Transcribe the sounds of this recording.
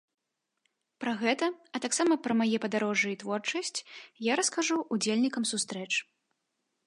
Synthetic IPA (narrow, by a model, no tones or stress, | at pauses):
pɾɐɣɛt̪ɐɐt̪aksamɐpɾɐmajɛpɐd̪aɾɔʐɨit̪vɔrt͡ʂɐsʲt͡sʲjaɾɐskaʐuʔːd͡zʲelʲnʲikɐmsust̪ɾɛt͡ʂ